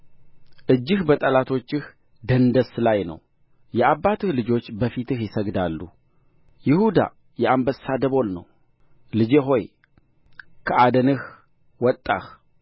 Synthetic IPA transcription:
ʔɨd͡ʒːɪhbət̪ʼəlat̪ʰo̞t͡ʃːɨh | d̪ənd̪əslajnə̰w | jɛabːat̪ʰɨhlɨd͡ʒo̞t͡ʃːbəfit̪ʰɨhjɪsəɡd̪alːu | jɪhud̪a̰ | jɛambəsad̪əβo̞lnə̰w | lɨd͡ʒeɦo̞j | kʰəʔad̪ənɨh | wɔt̪ʼːa̰h

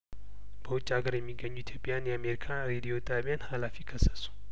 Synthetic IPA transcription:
b̥əwʊt͡ʃʼːaɡəɾjɛmːiɡːəɲːuit̪ʰjo̞pʼːjanjɛame̞ɾikʰaɾed̪io̞t̪ʼaβjanhalafikʰəsːə̥su̥

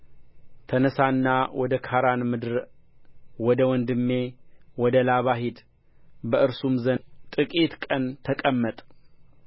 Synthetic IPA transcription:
t̪ʰənəsanːawʔɔd̪əkʰaɾanmɨd̪ɨɾ | wɔd̪əwɔnd̪ɨmːe̞wɔd̪əlaβaɦid̪ | bəʔɨɾsumzənt̪ʼɨkʼit̪kʼənt̪ʰəkʼəmːət̪ʼ

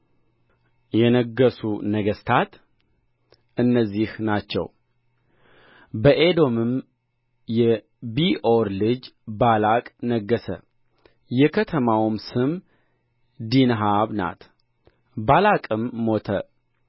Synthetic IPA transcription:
jɛnəɡːəsunəɡəst̪ʰat̪ | ʔɨnːəzːihnat͡ʃːɛ̰w | bəʔed̪o̞mɨm | jɛ | bioɾlɨd͡ʒbalakʼnəɡːəsə̰ | jɛkʰət̪ʰəmawmsɨm | d̪inɦaβna̰t̪ | balakʼɨmːo̞t̪ʰə̰

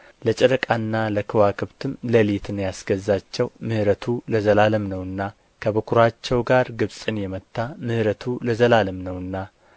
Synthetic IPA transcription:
lət͡ʃʼɛɾəkʼanːaləkʰɨwakʰɨβt̪ʰɨmləlit̪ʰɨnjasɡ̥əzːat͡ʃːɛwmɨhɾət̪ʰuləzəlaləmnəwɨnːa | kʰəβəkʰuɾat͡ʃːɛwɡaɾɡɨβsʼɨnjɛmət̪ʰːamɨhɾət̪ʰuləzəlaləmnəwɨnːa

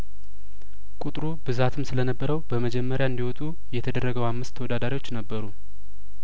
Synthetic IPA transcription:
kʼut̪ʼɾubɨzat̪ʰɨmsɨlənəbːəɾəwbəməd͡ʒɛmːəɾjaɨnd̪iwɔt̪ʼu | jɛt̪ʰəd̪ərːəɡəwamːɨst̪ʰːəwɔd̪ad̪aɾiwot͡ʃːnəbːəɾu

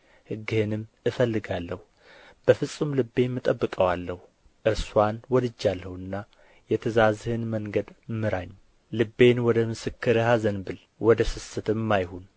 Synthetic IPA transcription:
hɨɡːɨhɨnɨm | ɨfəlːɨɡalːəhu | b̥əfɨsʼumlɨbːe̞nmːɨt̪ʼəbːɨkʼəwalːəhu | ʔɨɾswanwɔd̪ɨd͡ʒːalːəhɨnːa | jɛt̪ʰəzazhɨnməŋɡəd̪mɨɾaɲː | lɨbːe̞nwɔd̪əmɨsɨkːɨɾɨhazənbɨl | wʔɔd̪əsɨsɨt̪ɨmːajhun

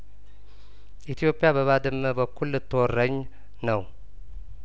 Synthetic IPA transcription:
ʔit̪ʰijo̞pʼːijabəβad̪ɨmːəbəkʰːulːɨt̪ʰːɨwɔrːəɲː | nəw

